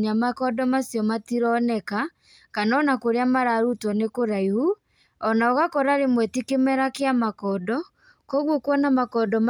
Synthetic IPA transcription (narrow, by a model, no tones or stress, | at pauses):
ɲamakɔdɔmasjɔmatiɾɔnɛka | kanɔnakoɾeamaɾaɾutwɔnekoɾaihu | ɔnaɔɣakɔɾaɾemwɛtikemɛɾakeamakɔdɔ | kɔɣwokwɔnamakɔdɔm